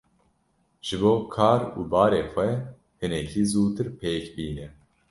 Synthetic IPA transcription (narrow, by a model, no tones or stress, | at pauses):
ʒ̥ɨboːkʰaːɾṵːbɑːɾeːxʷɛ | hɨnɛkiːzuːt̪ɨɾpʰeːkbiːnɛ